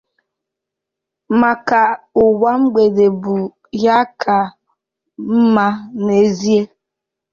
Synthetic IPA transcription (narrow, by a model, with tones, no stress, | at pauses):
ma˨ka˨ | ʊ˨wa˦ŋ͡m̩˦ɡ͡be˨de˨bʊ˨ | ja˦kʰa˨ | m̩˦ma˦ne˨zi˦e˦